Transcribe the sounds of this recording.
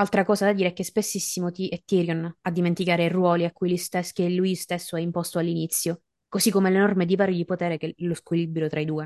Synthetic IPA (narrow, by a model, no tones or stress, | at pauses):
alt̪ɾakɔːzad̪ad̪iːɾeɛk̟espesːisːimot̪iɛt̪ːiːɾjonad̪ːiment̪ikaːɾerwɔːliakːujlust̪eskelːujst̪esːoɛimpɔst̪oalːinit̪sːjo | kozikːomelenɔrmed̪ivaːɾjod̪ipot̪ɛːɾekeloskwilibɾjot̪ɾaid̪uːe